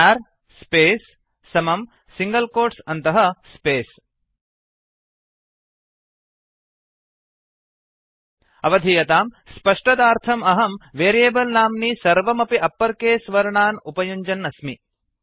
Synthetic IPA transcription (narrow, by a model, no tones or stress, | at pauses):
æːɾ | speːsː | ɐmɐm | siŋɡɐlkoːɾsɐnt̪ɐɦɐspeːs | ɐʋɐd̪ʱijɐt̪aːm | spɐʂʈɐd̪aːɾt̪ʰɐmɐɦɐmʋeːɾijeːbɐlnaːmniːsɐɾʋɐmɐpiʔɐpːɐɾkeːsʋɐɾɳaːnupɐjuɲd͡ʒɐnːɐsmi